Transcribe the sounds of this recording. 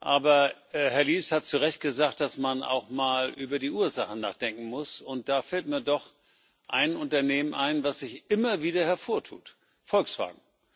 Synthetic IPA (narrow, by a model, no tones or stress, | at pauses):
ʔaːbɐ | ɛɦɛɐliːshat̚t͡suʁɛçt̚ɡ̥əzaːk̚t̚d̥asmana̰ʊxmaːlʔyːbɐdiːʔuːɐzaχən̩a̰ːχd̥ɛŋkŋ̩mʊsʊnt̚d̥aːfɛltmiːɐdɔχ | ʔaɪnʔʊntɐneːmənʔaɪnvasz̥ɪçʔɪmɐviːdɐhɛɐfoːɐtʰṵːt | fɔlksv̥a̰ːɡŋ̩